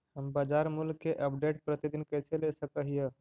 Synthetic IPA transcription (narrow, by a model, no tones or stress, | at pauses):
həmbad͡ʒaɾmulkeʔəpɖeʈ̚pɾət̪id̪inkəjt͡ʃʰelesəkəɦijə